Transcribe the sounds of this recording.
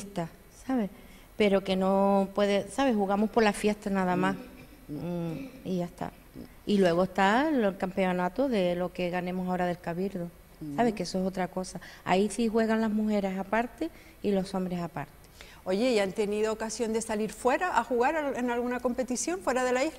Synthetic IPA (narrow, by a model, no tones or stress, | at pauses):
t̪a | saβe̞ | pe̞ɾo̞ke̞no̞pwe̞ðesaβe̞huɣamohpo̞ɾlafje̞ht̪anaðamas | iʝaht̪a̰ | ilwe̞ɣ̞oest̪allkampe̞onat̪oðe̞lo̞ke̞ɣanẽmosao̞ɾaðe̞lkaβiɾðo | saβ̞e̞hke̞soeso̞t̪ɾako̞saa̰isihwe̞ɣanlazmuxe̞ɾe̞sapaɾt̪e̞ | ilo̞so̞mbɾe̞sapaɾt̪e̥ | o̞ʝe̞jant̪e̞niðoːkasjo̞nd̪e̞saliɾfwe̞ɾaʔaxuɣaɾaenalɣunako̞mpe̞t̪isjo̞ɱfweɾaðelail